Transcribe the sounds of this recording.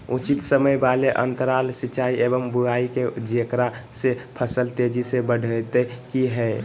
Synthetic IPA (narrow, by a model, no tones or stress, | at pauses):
ut͡ʃit̪səməjbaleʔə̰nt̪əɾalsit͡ʃaːiʔebəmbuaiked͡ʒekɾasepʰəsəlt̪ed͡ʒisebəɖʱət̪ekiɦɛ